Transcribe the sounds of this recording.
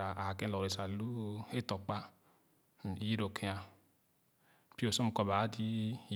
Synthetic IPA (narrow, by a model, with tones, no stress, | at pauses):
a˨a˨kẽ˦˨lo˨e˨sa˨lu˦e˦tɔ˨k͡pa˦˨ | ji˦ɾo˨kʰe˦a˨ | pi˦o˨so˦mu˨kɔ˨ba˨˦di˦˨